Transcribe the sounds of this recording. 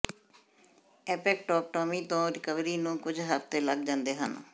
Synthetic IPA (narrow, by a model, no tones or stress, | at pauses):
ɛːpɛːk̚ʈɔːk̚ʈoːmĩːt̪õːɾɪkəʋɾiːnũːkʊd͡ʒɦəft̪eːləɡ̚d͡ʒãːnd̪eːɦə̰n